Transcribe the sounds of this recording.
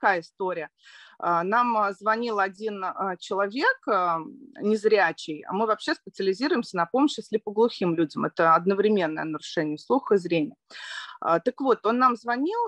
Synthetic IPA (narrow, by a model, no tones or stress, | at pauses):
kajəɪst̪o̞ɾʲɪjə | ənamzvɐnʲilˠɐdʲinət͡ɕɪlˠɐvʲe̞k | nʲɪzɾʲæt͡ɕɪja̰mɨvɐpɕːe̞spʲɪt̪sɨəlʲɪzʲiɾʊjɪmsʲənɐpo̞məɕɪsʲlʲɪpəɡlˠʊxʲimlʲudʲɪmɛt̪əɐd̪nəvɾʲɪmʲe̞nːəjənəɾʊʂɛnʲɪjəslˠuxəɨzɾʲenʲɪjəə̰t̪əkvo̞t̪o̞nːamzvɐnʲilˠ